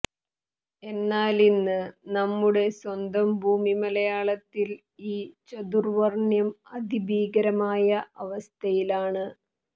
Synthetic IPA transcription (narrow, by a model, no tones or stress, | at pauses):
e̞nːaːlinːɨnɐmːuɽe̞swɐnd̪ɐmbʱuːmimɐlɐjaːɭɐt̪ːil | iːt͡ɕɐd̪urʋɐrɳjɐmɐd̪ʱibʱiːɡɐɾɐmaːjɐʔɐʋɐst̪ʰɐjilaːɳɨ